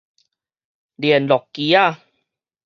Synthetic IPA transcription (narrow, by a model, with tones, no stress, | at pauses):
li˨˩ənlɔ˨˩kːi˨˧˦a˥˩˨